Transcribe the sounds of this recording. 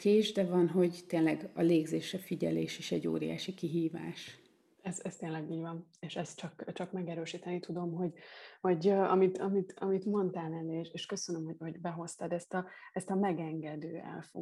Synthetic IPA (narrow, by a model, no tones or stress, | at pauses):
keːʒd̪ɛvɒnɦo̞ɟt̪eːnlɛɡɒleːɡzeːʃɛfiɟɛleːʃeːʃɛɟːo̰ːɾia̰ːʃikiɦiːva̰ːʃ | ɛzɛst̪eːnlɛɡiːɟvɒneːʃɛst̪t͡ʃɒkt͡ʃɒkmɛɡɛɾøːʃiːt̪ɛnit̪ud̪o̞mɦo̞ɟhɒɟɒ̰mit̪ɒmit̪ɒmit̪mo̞nt̪aːlɛlːeːʃeːʃkø̞sønømhoho̞ɟbɛɦo̞st̪ɒd̪ɛst̪ɒɛst̪ɒmɛɡɛŋɡɛd̪øːɛ̰lfo̰